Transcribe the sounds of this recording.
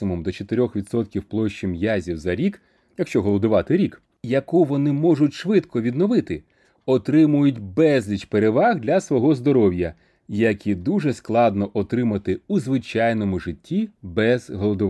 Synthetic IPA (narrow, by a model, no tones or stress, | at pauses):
sɪmumd̪ɔt͡ʃet̪ɪɾʲɔxʋʲid̪sɔt̪kʲiwplˠɔʃt͡ʃimjazʲiwzɐɾʲik | jɐkʃt͡ʃɔɦɔlˠɔd̪ʊʋɑt̪ɪɾʲik | jɐkuʋɔnɪmɔʐʊtʲʃʋɪt̪kɔʋʲid̪nɔʋɪt̪ɪ | ɔt̪ɾɪmʊjʊtʲbɛzʲlʲit͡ʃpeɾeʋɑɣd̪lʲɐsʋɔɦɔzd̪ɔɾɔwjɐ | jɐkʲid̪uʐɛsklˠɑd̪nɔʔɔt̪ɾɪmɐt̪ɪuzʋɪt͡ʃɑjnɔmʊʒɪtʲːibɛzɦɔlˠɔd̪ʊʋ